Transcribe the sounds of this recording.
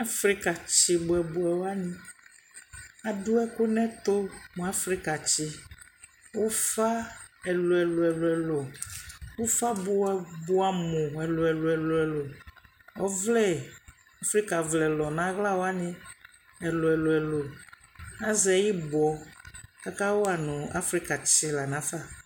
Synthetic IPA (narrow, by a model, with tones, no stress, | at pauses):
a˦fɾi˦ka˨t͡ʃi˨bo˨ɛ˨bo˨ɛ˨wo˦a˦nĩ˦ | a˨ɖu˦ɛ˦ko˦nɛ̃˦t̪o˦mũ˨a˦fɾi˦ka˨t͡ʃi˦ | wo˦fa˦ɛ˨lo˨ɛ˨lo˨ɛ˨lo˨ɛ˨lo˨wo˦fa˦bo˦bo˦a˨mõ˨ɛ˨lo˨ɛ˨lo˨ɛ˨lo˨ɛ˨lo˨ | ɔ˦vlɛ˦˨ | a˦fɾi˦ka˨vlɛ˨lɔ˨nã˦ɣla˦wo˦a˦nɪ̃˦ | ɛ˨lo˨ɛ˨lo˨ɛ˨lo˨ | a˦zɛ˨ji˦bɔ˨ka˦ka˦wo˦a˨nʊ̃˨a̰˦fɾi˦ka˨t͡ɕi˦la˨nã˨˦fa˦˨